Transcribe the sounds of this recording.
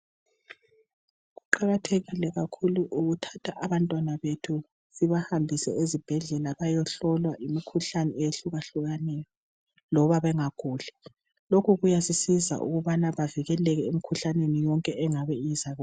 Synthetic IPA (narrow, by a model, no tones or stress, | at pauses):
ɣuǃaɣatʰeɣilɛɣakʰuluʔuɣutʰḁtʰaʔaβantʼwanaβetʰu | siβahambʱisɛezib̥ʱɛɮɛlaβajɔɬɔlwaʔimikʰuɬanɛeɬuɣaɬuɣanɛjɔ | lɔβaβɛŋaɡ̥ʱuːɮɛ̥ | lokʰuɣujasisiza̰ʔṵɣuβanaβaviɣɛlɛɣɛemikʰuɬanenijɔŋkʼɛʔɛŋaβɛizaɣ